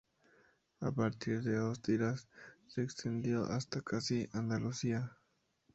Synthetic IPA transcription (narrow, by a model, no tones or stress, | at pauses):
a̰paɾt̪iɾðeozd̪iɾasːeːkst̪e̞nd̪jo̞ʔa̰st̪akʰasiʔand̪alusia